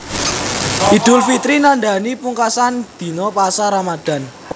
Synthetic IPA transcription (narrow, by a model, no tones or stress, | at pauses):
ʔid̪̥ʊlfit̪ɾinanɖ̪a̤nipuŋkasand̪̥i̤nɔpasaɾamad̪̥a̤n